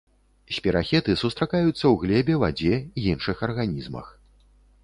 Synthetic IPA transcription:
sʲpʲiɾaxʲɛt̪ɨsust̪ɾakajut̪sːɐwɣlʲɛbʲɛvad͡zʲɛiinʂɨxɐrɣanʲizmɐ̰x

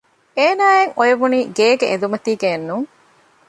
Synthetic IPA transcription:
eːnaːeŋojɐʋuniːɡeːɡḛʔḛnd̪umɐt̪iːɡenːuŋ

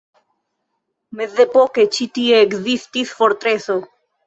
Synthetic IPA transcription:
meθðepoket͡ʃit̪ieːkzist̪isfoɾt̪ɾeθo

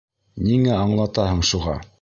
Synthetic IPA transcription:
niŋæɑɴlˠɑt̪ɑhɤɴʃuʁɑ

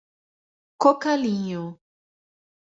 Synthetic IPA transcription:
kokaliɲõ

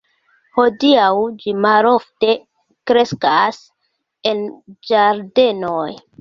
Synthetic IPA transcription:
ho̞diawd͡ʒimalo̞fte̞ | kɾe̞skas | e̞nd͡ʒaɾde̞noj

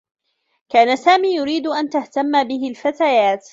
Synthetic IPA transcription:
kaːnasaːmiːjʊɾiːd̪ʔant̪aht̪amːabɪɦɪlfat̪ajaːt̪

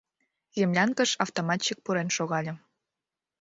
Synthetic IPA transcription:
jə̆mlʲɑnkə̆ʃɑft̪omɑt̪t͡ɕik̚puɾenʃoɣɑlʲɤ̆

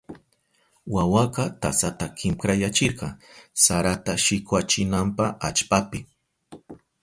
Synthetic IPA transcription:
wawaqɑt̪asat̪akʰɪmkɾajat͡ʃɪɾqɑsaɾat̪aʃɪkwat͡ʃɪnampaat͡ʃpapɪ

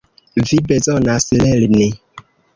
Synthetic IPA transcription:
vibɛzɔnasilɛlne

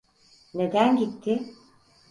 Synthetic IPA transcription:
ne̞d̪ænɟit̪ʰːɪ

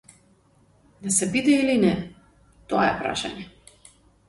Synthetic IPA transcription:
d̪asɛbid̪ɛilinɛ | t̪oa̰ɛpɾa̰ʃa̰ɲɛ

